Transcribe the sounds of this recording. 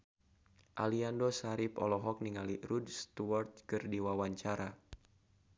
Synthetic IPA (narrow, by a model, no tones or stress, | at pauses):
ʔaliandosaɾipɔ̰lɔɦɔk̚niŋaliɾudst̪uart̪̚kɨrdiwawaɲt͡ʃaɾa